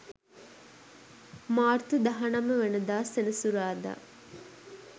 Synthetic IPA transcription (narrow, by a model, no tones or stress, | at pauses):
maːrt̪ud̪aɦanaməʋenəd̪aːsenəsuɾaːd̪a̰ː